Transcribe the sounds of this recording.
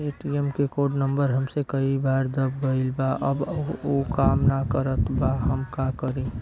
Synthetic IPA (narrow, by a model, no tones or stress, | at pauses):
eʈiemkekoɖnəmbəɾɦəmsẽkəibaɾd̪əb̚ɡəɪlbaʔəbokamnakəɾət̪baɦəmkakəɾĩ